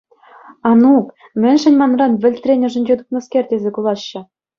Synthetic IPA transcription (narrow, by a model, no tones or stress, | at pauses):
ɑnuk | mʲɘ̆nʲʐɘ̆nʲmɑnrɑnʋʲɘ̆lʲt̪ʲrʲenʲɘ̆ʐɘ̆nʲd͡ʑet̪uk̪nɤ̆skʲerʲtʲezʲekulˠɑɕːɘ̆